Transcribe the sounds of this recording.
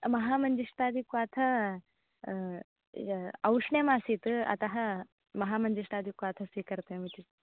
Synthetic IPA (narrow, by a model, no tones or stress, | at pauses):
mɐɦaːmɐnd͡ʒiʂt̪aːd̪ikʋaːt̪ʰɐ | ɐwʂɳemasit̪ɐ̰t̪aɦɐ | mɐɦamɐnd͡ʒiʂʈ̪aːd̪ikʋaːt̪ʰɐsʋikɐɾt̪emit̪i